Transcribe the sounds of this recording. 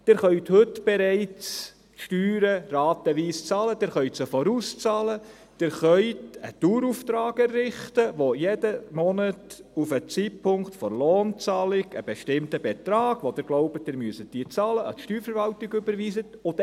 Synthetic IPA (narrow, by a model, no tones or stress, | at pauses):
d̥ɪɾχœɥthɵtb̥eɾɛɪt͡s | ʃtyːɾərɑːt̪əʋiːst͡sɑːləd̥ɪɾχœʏtsəfɔɾust͡sɑːlə | d̥ɪɾχœʏtətuːɾuft̪ɾɑːɡɛɾːɪχtəʋojɛd̥əmɔnətufət͡siːtpʰʊŋktfɔrloːnt͡sɑːlɪɡəb̥eʃtɪmtəbetɾɑːɡ̥ʋod̥̪ɪɾɡ̥loʊbət̚dɪɾmyəsət̚d̥iːt͡sɑːləʔɑ̰t̪ʃtyːɾfəɾvɑltɪɡʏbəɾʋiːzətot